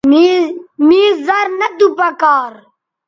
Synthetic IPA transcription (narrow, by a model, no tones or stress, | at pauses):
miːzɐɾnɐd̪upɐkaːɾ